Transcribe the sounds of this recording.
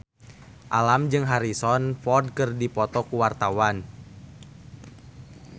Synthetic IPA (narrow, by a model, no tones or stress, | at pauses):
ʔalamd͡ʒɨŋɦaɾisɔnfɔrd̚kɨrdipɔt̪ɔkuwart̪awan